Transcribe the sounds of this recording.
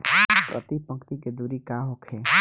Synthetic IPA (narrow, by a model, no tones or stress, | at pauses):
pɾə̰t̪ipə̃ŋkt̪iked̪uːɾikaːɦokʰe